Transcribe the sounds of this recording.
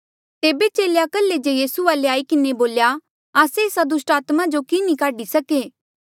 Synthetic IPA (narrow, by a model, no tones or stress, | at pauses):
t̪eːbet͡ʃeːljakəlːed͡ʒejiːsuaːleaːikɪneboːlja | aːseːsad̪ʊsʈaːt̪mad͡ʒokinĩkaːɖisɐkeː